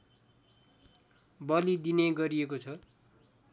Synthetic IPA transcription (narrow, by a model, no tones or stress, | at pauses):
bʌlid̪ineɡʌɾiekot͡sʰʌ